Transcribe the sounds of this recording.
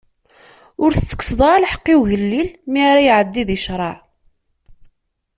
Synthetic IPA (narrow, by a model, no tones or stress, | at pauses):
ʊɾθət͡sːə̥kːsðˤɑɾlħə̥qːiwʝəlːilmiaɾajʕəd̪ːiðiʃɾˤɑʕ